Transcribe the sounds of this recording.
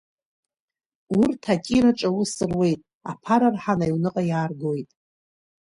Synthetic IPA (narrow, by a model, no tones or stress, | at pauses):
urtʰakʲʼiɾaʈ͡ʂʼawusɨrwe̞jtʼ | a̰pʰaɾarħanajwnɨqʼajaːrɡojtʼ